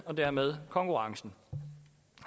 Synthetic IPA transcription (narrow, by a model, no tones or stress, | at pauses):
ɒ̽d̥æɐmeð̞ˠkʰɒ̽ŋkʰuʁɑ̈ŋsn̩